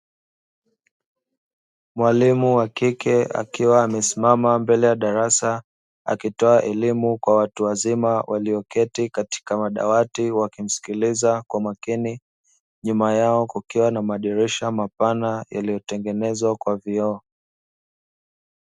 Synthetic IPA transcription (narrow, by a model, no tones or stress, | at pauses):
mwalimuwakikʰɛa̰kiwaːmɛsimamambɛlɛjaɗaɾasa | a̰kitɔaʔɛlimukwawatuwazimawʔaliɔkɛtikati̥kamaɗa̰watiwakim̩si̥kilizakwamakini | ɲumajaɔkukiwanamaɗiɾiʃamapanaja̰lijɔtɛŋɡɛnɛzwakwaviɔ